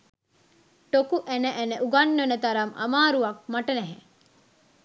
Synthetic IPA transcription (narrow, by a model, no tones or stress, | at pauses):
ʈokuʔænəʔænəʔuɡɐnːonət̪ɐɾɐmʔa̰maːɾuʋɐk̚maʈənɛɦe